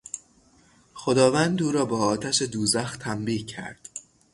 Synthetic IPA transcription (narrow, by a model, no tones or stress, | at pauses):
xo̞d̪ɒːvænd̪uːɾɒːbɒːɒːt̪ʰæʃed̪uːzæxt̪ʰæmbiːhcʰæ̰ɾd̪̥